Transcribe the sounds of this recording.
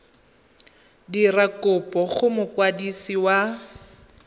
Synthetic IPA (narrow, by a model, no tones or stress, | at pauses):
dirakʊpʼɔχʊmʊkwadisiwa